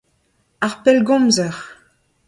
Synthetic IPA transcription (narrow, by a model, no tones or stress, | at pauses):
aʁpɛlɡɔ̃mzɛʁ